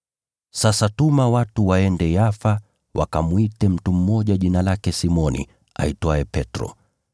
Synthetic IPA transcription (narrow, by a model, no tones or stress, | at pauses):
sasatumawatuwaɛndɛjafa | wʔa̰kamwitɛm̩tum̩mɔʄaʄinalakɛsimɔnḭ | a̰itwaɛpɛtɾɔ̰